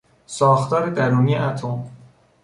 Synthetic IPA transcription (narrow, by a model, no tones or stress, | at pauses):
sɒːxt̪ɒːɾed̪æɾuːmijeʔæt̪ʰom